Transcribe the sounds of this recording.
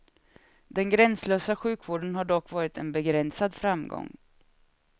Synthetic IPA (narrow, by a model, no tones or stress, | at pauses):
d̪ɛnɡɾɛnsløːsaɧʉ̟ːkvoːɖənɦaɖɔkːvɑːɾɪt̪ɛnbɛɡɾɛnsad̪fɾamɡɔ̰ŋː